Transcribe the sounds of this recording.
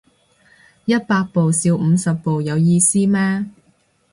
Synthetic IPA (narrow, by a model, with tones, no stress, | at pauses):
jɐ˥t̚paː˧k̚po˨wsiː˨˧wm̩ː˨˧sɐ˨pːo˨wjɐ˨˧wjiː˧siː˥mɛː˥